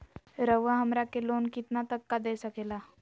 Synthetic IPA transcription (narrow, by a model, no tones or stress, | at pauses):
ɾəʋaɦəmɾakeloːnkit̪nat̪əkːad̪esəkela